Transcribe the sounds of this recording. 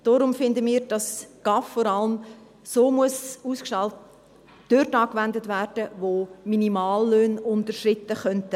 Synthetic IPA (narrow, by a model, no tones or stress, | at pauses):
d̥ɔɾʊmfɪndəmiːɾd̥ɑsɡ̥ɑfːɔɾɑləm | soːmuəsuːskʃɑlt | d̥øɾtɑːkvɛndətværd̥əvoːminimɑːlːøːnʊntərʃrɪtːəχœntə